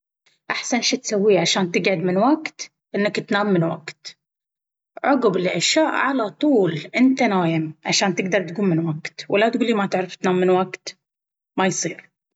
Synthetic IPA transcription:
ʔaħsanʃat̪sawːiːʕaʃaːnt̪ɪɡʕʊd̪mɪnwaɡt̪ | ʔɪnːakt̪naːmːɪnwaɡt̪ | ʕʊɡblɪʔaʃjaːʔʕalat̪ˤuːlʔɪnt̪anaːjɪmʕaʃaːnt̪ɪɡd̪ɑɾˤt̪ɡuːmːɪnwaɡt̪wʔalːat̪̚ɡuːlːimat̪ɪʕɾɑft̪naːmːɪnwaɡt̪ | majsˤiːɾ

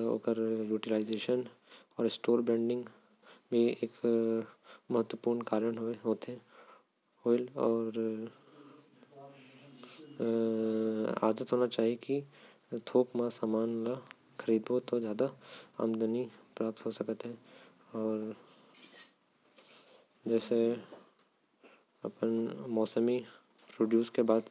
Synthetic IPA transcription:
o̰ːkəɾjuːʈilaːɪzeːʃən | ɔːɾɪsʈoːɾbɾɛ̃ːɳɖɪ̃ŋɡ | bʱieːk | mɐɦət̪ːwəpuːɾɳkaːɾəɳɦoeɦoːt̪eɦɛ̃ | oːɪlɔːɾ | a̰ːd̪ət̪ɦoːnat͡ʃaːɦieki | t̪ʰoːkmãsaːmaːnla | xʰəɾiːd̪boːt̪ozjaːd̪aa̰ːmd̪ənipɾaːp̚t̪ɦosɐkət̪ɦɛ̃ | ɔːɾ | d͡ʒɛːse | ɐ̰pnmɔːsəmi | pɾoːɖjuːskebaːd̪

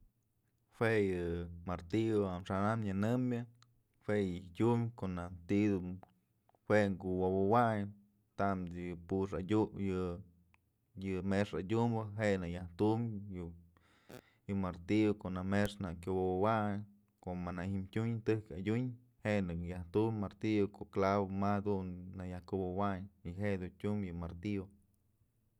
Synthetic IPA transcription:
fwejɨmaɾt̪ioamʂanamjanɨmʲɨ | wejɨtʲumkoʔnat̪id̪um | weŋɡuwowowaj | t̪amjɨpuʂadʲujɨ | jɨmeʂadʲumbɨɦenɨjaht̪umjɨ | jɨmaɾt̪iokoʔnameʂnakʲowobowaɲ | komanahimtʲuɲt̪ɨhkadʲuɲ | henɨjaht̪umːaɾt̪iokoklaβomad̪unːajahkubowaɲiɦeʔd̪untʲumjɨmaɾt̪io

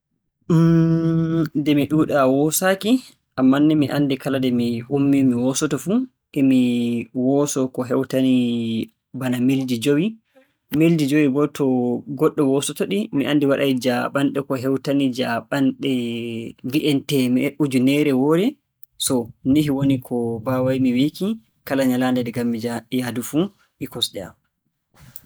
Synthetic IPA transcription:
dɛmiɗuːɗawɔsaki | ʔamːanːimiʔanːdikaladɛmihumːimiwɔsɔtɔfu | ʔɛmiwɔsɔkɔɦɛwtani | banamildid͡ʒowi | mildid͡ʒowiɡɔtʰːɔɡɔɗːɔwɔsɔtɔɗimiʔandiwaɗajd͡ʒaɓanɗɛkɔɦɛwtanid͡ʒaɓanɗɛ | viʔɛntɛmɛʔud͡ʒunɛɾɛwɔɾɛ | sɔniɦiwonikʰɔbawajmiwiki | kalaɲalandɛdɛɡamːid͡ʒajadufu | ʔikɔsɗɛa̰m

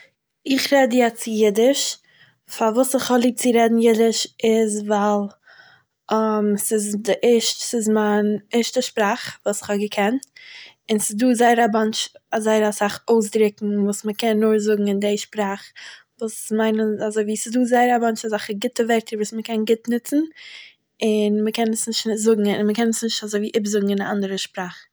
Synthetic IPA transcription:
ɪχɾɛdjɛt͡sɪjɪdɪʃ | favuːsɪχhɔlˠiːb̚t͡sɪɾɛdn̩jɪdɪʃɪzvalˠ | msɪzdɪʔɛʃtsɪzmanɛɾʃtəʃpɾaːχvuːsɪ̥χhɔɡəkʰɛnt | ɪnsɪzduːzaɪɾabant͡ʃazaɪɾasaχoʊs̬dɾɪkŋ̩vuːsməkʰɛnːʊɾzʊɡŋ̩ɪndeɪʃpɾaːχ | vuːsmaɪnənazoɪviːsɪzduːzaɪəɾabant͡ʃazaχəɡɪtəvɛɾtʰəɾvuːsməkʰɛnɡɪtnɪt͡sn̩ | ɪnməkɛnəsnɪʃtnɪzʊɡŋ̩ɪnməkɛnəsnɪʃtazoɪviːʔɪbzʊɡŋ̩ɪnaandəɾəʃpɾaːχ

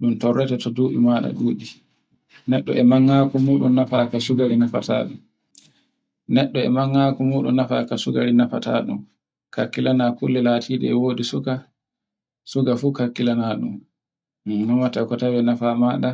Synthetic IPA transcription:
ɗumtɔrːɛtɛtɔduːɗḭmaːɗa̰ɗuːɗi | nɛɗːɔ̰ɛmaŋːaːkɔmuːɗumnafakasuɡaɾinafa̰tʰa̰ːɗum | nɛɗːɔɛ̰maŋːaːkɔmuːɗumnːafa̰kasuɡaɾinafa̰ta̰ːɗṵm | kakːilanakulːɛlaːtʰiːɗɛ̰ɛwodisuka | suɡafuːkakːilanaɗṵm | namatakɔtawɛnafamaːɗa

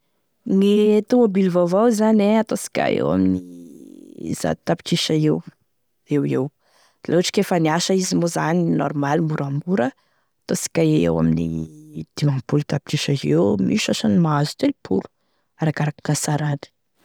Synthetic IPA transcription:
nit̪umobilvavawzaneat̪osi̥kʲa̰ḛwa̰mini | z̥a̰t̪api̥ʈ͡ʂiʃaew | ewew | d̥lʔoaʈ͡ʂi̥kʲefəniaʃəizimozaninɔ̰ɾmalimuɾamuɾə | at̪osi̥kʲaeḛwa̰minḭd̪̥imampulut̪api̥ʈ͡ʂiʃaewmiʃasanimaazu̥t̪elipʰulu̥ | aɾakaɾakḁkasaɾani̥

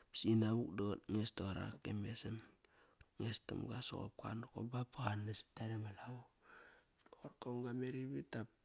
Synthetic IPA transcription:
sinaβukdotŋestoɾa̰kemesem | ŋesto̰mɡaso̰ko̰p̚ka̰noko̰bapkanːesi̥taɾemalau | ooɾkoŋɡameɾiβitap̚

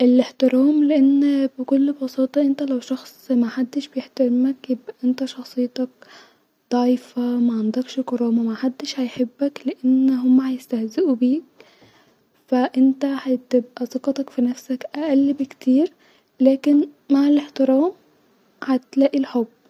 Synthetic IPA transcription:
ʔɪleħt̪ɪɾæːmlɪʔenːbɪkʊlːbɑsˤɑːt̪ˤɑʔɪnt̪ælæwʃɑxsˤmæħad̪ːɪʃbjeħt̪aɾɪmækjɪbʔæʔɪnt̪æʃɑxsˤɨjːt̪ɑk | d̪ˤɑʕiːfamæʕand̪ɑkʃɪkɑɾˤɑːmamæħad̪ːɪʃhajħebːæklɪʔanːɦʊmːæhajɪst̪æhzɪʔubiːk̚ | fæʔɪnt̪æhat̪ɪbʔæsˤɑqɑt̪ˤɑkfinæfsækʔæʔælːbɪkt̪iːɾ | læːkɪnmaʕɪleħt̪ɪɾæːm | hat̪læːʔilħobː

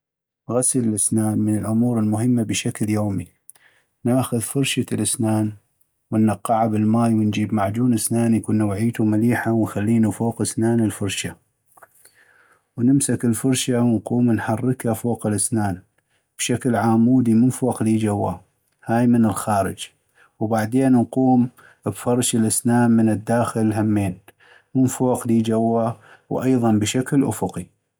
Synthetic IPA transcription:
ɣasləlʔɪsnaːnmənəlʔʊmuːɾəlmʊɦəmːabəʃakljoːmi | naːxʊðfʊɾˤʃalʔɪsnaːn | wənːɑqːɑʕabɪlmaːjwənd͡ʒiːbmaʕd͡ʒuːnʔɪsnaːnjkʊnːawʕiːt̪umaliːħawənxalːiːnufoːqʔɪsnaːnəlfʊɾˤʃa | wnɪmsakəlfʊɾˤʃawnquːmnħɑrːəkhafoːqɪlʔasnaːn | b̥ʃaklʕaːmːuːd̪imʊnfoːqliːd͡ʒawːa | haːjmənɪlxaːɾɪ̰d͡ʒ | wbaʕd̪eːnnquːm | bfɑɾˤʃɪlʔasnaːnmənɪd̪ːaːxɪlɦamːeːn | mʊnfoːqliːd͡ʒawːawʔɑjðˤɑnbɪʃaklʔʊ̰fʊqi

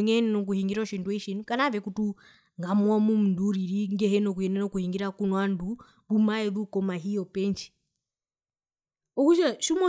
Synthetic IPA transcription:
ŋɛnɛnɔk̬uhiŋɡiɾɔʃindwʃinkanavɛkutu | ŋɡamuɔmum̩nduɾiɾiŋɡɛɦɛnɔk̬uhɛnɛnɔkuhiŋɡiɾakunwandu | ɾumaɛðukɔmaɦijɔpɛnt͡ʃi̥ | ɔkut͡ʃaʃumɔ

